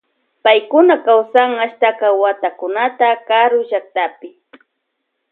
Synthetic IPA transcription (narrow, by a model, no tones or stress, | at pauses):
pajkʊnakawsaŋaʃt̪akawat̪akʊnat̪akaɾʊʒak̚t̪apɪ